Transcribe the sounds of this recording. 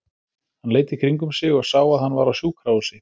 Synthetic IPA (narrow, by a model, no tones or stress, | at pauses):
hanleːjt̪ɪkʰɾiŋkʏmsɪɣɔɣsaːwaðhanːvaɾawsjuːkʰɾawsɪ